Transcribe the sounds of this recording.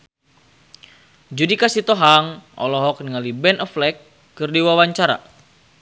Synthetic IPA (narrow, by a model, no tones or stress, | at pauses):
d͡ʒudikasit̪ɔɦaŋʔɔ̰lɔɦɔk̚niŋalibɛnɔflɛkː | ɨrdiwawaɲt͡ʃaɾa̰